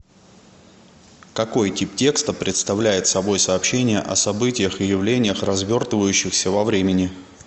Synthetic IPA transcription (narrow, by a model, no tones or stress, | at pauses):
kɐko̞jtʲiptʲe̞kst̪əpɾʲɪt̪st̪ɐvlʲæjɪt̪sɐbo̞jsɐːpɕenʲɪjə̰ʔɐsɐbɨtʲɪjəxɨjɪvlʲenʲɪjəxrɐzvʲo̞rt̪əvəjʉɕːɪxsʲəvɐvɾʲemʲɪnʲɪ